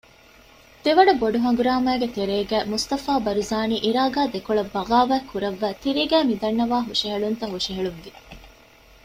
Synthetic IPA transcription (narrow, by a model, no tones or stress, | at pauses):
d̪̥eʋɐɖɐboɖuɦɐŋɡuɾaːmæːɡet̪eɾeːɡæːmust̪ɐfaːbɐɾuzaːniːʔiɾaːɡaːd̪ekuɭɐbːɐʁaːʋæːkuɾɐʋːæːt̪iɾeːɡæːmid̪ɐɳːɐʋaːɦuʂiɦɐɭunt̪ɐɦuʂiɦɐɭuŋɡe